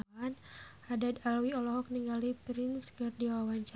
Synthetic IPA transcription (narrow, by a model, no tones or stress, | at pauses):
an | adad̪alwiɔlɔɦɔk̚niŋɡalipɾinskɨrdiwawaɲt͡ʃa